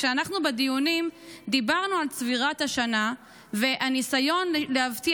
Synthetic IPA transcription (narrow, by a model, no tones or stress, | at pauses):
ʃeanaχnubed̪ijunimd̪ibaʁnualsviʁat̪haʃana | ve̞ʔanisajo̞nlehavti